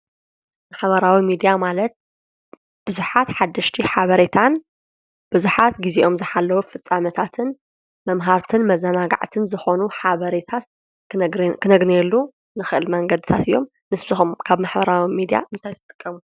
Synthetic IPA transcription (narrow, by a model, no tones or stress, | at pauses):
maħβɐɾawimid̪ijamalɐt̪̚ | b̥ɨzuħat̪ħad̪ːɐʃt̪ʰiħaβɐɾet̪ʰan | b̥ɨzuħat̪ɡiziʔo̞mzɨħalːɐwufɨt͡sʼːamɐt̪ʰat̪ʰɨn | mɐmɦaɾt̪ʰɨnmɐzɐnaɡa̰ʕt̪ʰɨnzɨxo̞nuħaβɐɾet̪ʰat̪ | kʰɨnɐɡnelːu | nɨxɨʔɨlmɐŋɡɐd̪ɨt̪ʰat̪ɨjːo̞m | nɨsɨxumkʰaβmaħbɐɾawimid̪ija̰ʔɨnt̪ʰajt̪ʰɨt̪ʼɨ̥kʼːɐmu